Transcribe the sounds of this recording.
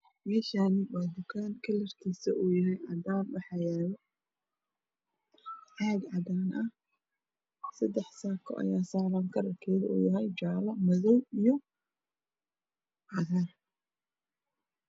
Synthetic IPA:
mɛːʃaːnɪwaːd̪ʊkʰaːnkʰɐlɐrt̪ʰiːsɐʔuːjɐɦɛjʕɑd̪aːnwɑħɑːjaːβɛ | ʕaːɡʕɑd̪aːnʔɐh | sɐd̪ɛħsaːkʰɔ̰ʔɐ̰jaːsaːlaːŋkʰɐrɐrkʰɛːjðṵːjɐɦɛjt͡ʃaːlɐmɐðɔwijɔ | ʕɑðar

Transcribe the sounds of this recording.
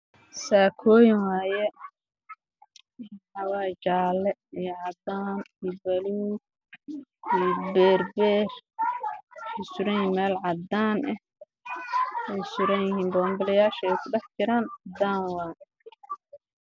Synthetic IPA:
saːkʰɔːjɪŋwaːjɛ | hɐwaːt͡ʃaːlɛijʕɑd̪aːnibɐluː | ijbɛːrbɛːr | ɛsʊɾɐjjɪmɛːlʕɑd̪aːnʔɛ | wɛjsʊɾɐjjɪɦiːnbɔːŋɡɐlɛjaːʃɐɛjkʰʊɖɛħt͡ʃɪɾaːnd̪aːnwaːn

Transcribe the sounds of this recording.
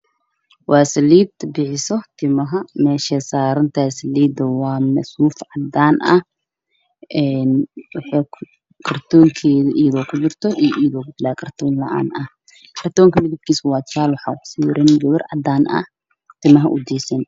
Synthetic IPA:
wɑːsɐliːd̪bɪħɪsɔt̪ʰɪmɐɦɐmɛːʃɐsaːɾɐnt̪ʰaːsɐliːd̪ɐwɑːmɐsuːfʕɑd̪aːnʔɐ | ʔɛnwɑħɛː | kʰɐrt̪ʰɔːŋkʰɛːðɐʔijðɔːkʰʊd̪ʊrt̪ʰɔʔijʔiːðɔːkʰʊd̪ɪlaːkʰɐrt̪ʰɔːnlɐ̰ʔa̰ːnʔɐh | kʰɐrt̪ʰɔːŋkʰɐmɪðɪb̪̚kʰiːswɑːt͡ʃʰaːlwɑħɑːʊkʰʊ̥siːwɾʔɛnɡɐwɐrʕɑ̰d̪aːnɐ̰ | t̪ʰɪmɐɦɐʔʊd̪iːsɛn

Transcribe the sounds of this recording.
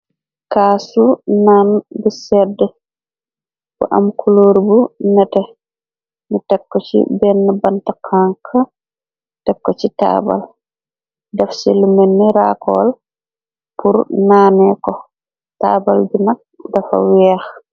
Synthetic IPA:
kaːsunanbɛsɛdɛ | kɔ̰ʔa̰mkʰuloɾibunatɛ | nitɛkːɔt͡ʃḭbɛnːabantakʰaŋkʰa | tɛkːɔt͡ʃita̰ːba̰l | dafselimenːɛɾakɔl | pʰuɾnaːnɛkɔ | ta̰bald͡ʒunak̚dafa̰wɛx

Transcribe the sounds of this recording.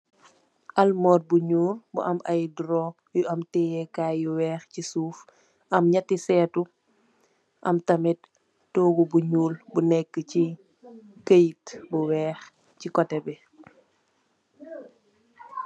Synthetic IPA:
ʔɐlmɔːt̚buɲuːrbṵʔɐmʔɐjdɾɔː | juɐmtɛːjɛkaːjuwɛːxcisuːf | ɐmɲɐtːisɛːtu | ʔɐmtɐmɛt̚ | tɔːɡubuɲuːlbunɛkːəci | kəjtbuwɛːx | cikɔtɛbɛ

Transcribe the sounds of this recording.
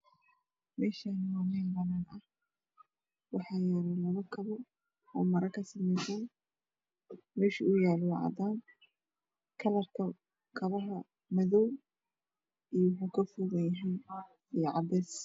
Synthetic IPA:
mɛːʃanwaːmɛnbɐnaːnɐh | wɑħɑːjaːlɛlɐβɐkʰɐβɔ | ɔːmɐɾɐkʰɐsɐmɛsaːn | mɛːʃḭʊjaːlɔʕɑ̰d̪aːn | kʰɐlɐrkʰɐ | kʰɐβɐɦɐ | mɐðɔw | ijwħukʰɐfʊɣɐjɐɦɛjn | ijʕɑ̰d̪ɛːs

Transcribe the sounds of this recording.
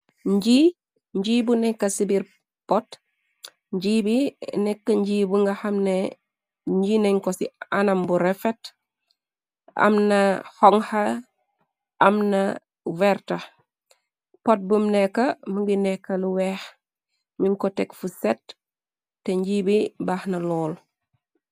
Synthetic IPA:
ɲɟi | ɲɟibunɛkːasibiɾ | pɔt | ɲɟiːbinɛkːaɲɟiːbuŋɡahɐmne | ɲɟineŋkosianambuɾefet | ɐ̰mnahɔŋha | ɐmnɐ | vɛɾtɐ | pot̚bumnɛkːɐmuŋɡinɛkːɐluwɛh | minkɔtɛkfusetː | eɲɟiːbibaːhnɐlɔːl

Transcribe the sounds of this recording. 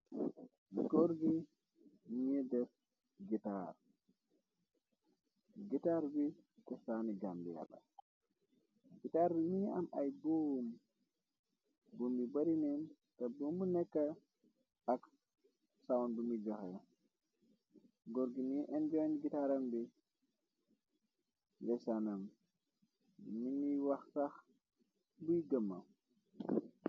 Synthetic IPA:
ɡoɾɡi | nidɛɾ | ɡita̰ɾ | ɡitaɾbikɔsaniɡambḭja̰la̰ | ɡitaɾbimiamʔajbuwm | bumbibaɾinɛn | tɐbumbunɛkːɐ | ak | sawndumid͡ʒaxe | ɡɔɾɡiniʔɛnd͡ʒɔnɡitaɾɐmbi | dɛsanam | miniwaxtax | bujɡəmːam

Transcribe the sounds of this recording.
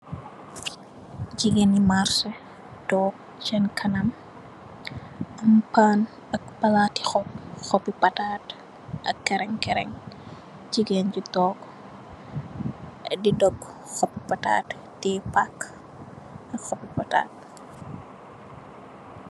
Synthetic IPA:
d͡ʒiɡɛnimarsɐ | tɔːk̚ | t͡ʃɛnkʰɐnɐm | ʔɐmpaːn | ɐk̚pɐlati̥xɔp̚xɔpipɐtaːt | ʔɐkːɛɾɛŋkɛɾɛ̰ŋ | d͡ʒiɡend͡ʒutɔːk | didɔp̚xɔpːipɐta̰ːtː | ɛpak | ʔɐkxɔpipɐta̰ːt̚

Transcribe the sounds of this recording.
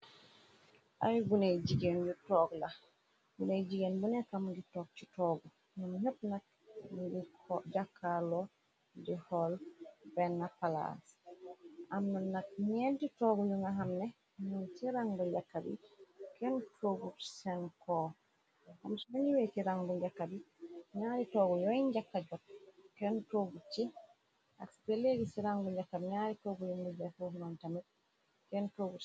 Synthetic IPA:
ʔajɡunajd͡ʒiɡenjutɔɡla | ɡunajd͡ʒiɡenbunɛkamɡitɔk̚t͡ʃitɔɡɔ | numhəpnak̚ | mɡikd͡ʒakʰːalɔ | dɛhɔlbɛnːapala̰s | ʔamnanːak̚ɲɛntitɔːɡɔjuŋaɦamnɛ | nɔnsiɾaŋɡɔd͡ʒakːabḭkɛntʰoɡuɾsɛnkɔ | hamsnɔniwetiɾaŋbud͡ʒakːabi | ɲaːɾitɔːɡɔjɔiɲd͡ʒakːad͡ʒɔt̚kɛntoɡut͡ʃi | ʔa̰ksi̥pɛleɡisiɾaŋɡud͡ʒakːabiɲaɾitɔɡujuŋbud͡ʒafuhunantamit̚ | kɛntoɡu

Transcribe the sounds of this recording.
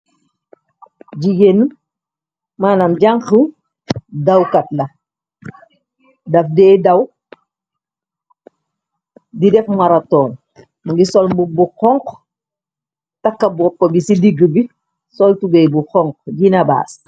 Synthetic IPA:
ɟiɡenu | maːnamɟaŋxə | dawkatlɐ | dɐfdɛːdɐw | didɛfmaɾatɔːn | muɡisɔlbubuxɔŋq | takːɐbɔpːɐbisidiɡəbi | sɔltubɛjbuxɔŋkɟinɐba̰ːs

